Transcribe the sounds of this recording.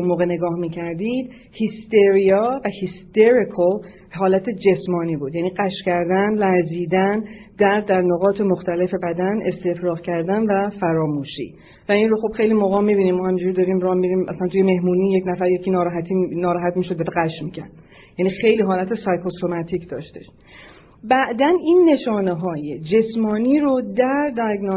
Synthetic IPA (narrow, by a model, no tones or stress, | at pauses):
unmoːɣene̞ɡɒːhmiːcʰæɾd̪iːd̪̥ | hist̪eɾijɒvæhist̪eɾikʰol | ɦɒːlæt̪ʰe̞d͡ʒe̞smɒːniːbuːd̪jæniːɢæʃcæɾd̪ænlæɾziːd̪ænd̪̥æɾd̪ːæɾnoɣɒːt̪ʰe̞moxt̪æle̞fe̞bæd̪ænʔe̞st̪e̞fɾɒːɣcʰæɾd̪ænvæfæɾɒːmuːʃḭ | væinro̞xob̥xe̞jlimoɣɒːmːibiːnimːɒːhæmind͡ʒuɾid̪ɒɾiːmɾɒːmiɾiːmʔæ̰sænt̪ujeme̞hmuːniːjecnæfæɾjecʰinɒːɾɒːɦæt̪ʰiːnɒːɾɒːɦæt̪miːʃod̪edeɡæʃmicʰæ̰ɾd̪ | jænixe̞jliːɦɒːlæt̪ʰesɒjkʰosomæt̪ʰicʰd̪ɒ̰ːʃt̪e̞ʃ | bæʔd̪æniːnːe̞ʃɒːneɦɒːjed͡ʒe̞smɒːniːɾod̪æɾd̪ɒjɡno